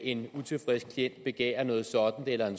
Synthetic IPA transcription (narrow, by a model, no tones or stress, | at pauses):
ʔe̝nut͡sʰe̝fʁesɡ̥̚kʰlien̰d̥̚b̥e̝ɡ̥ɛ̰ːɐnɔ̽ːð̩ˠsɒ̽d̥n̩d̥elɐe̝n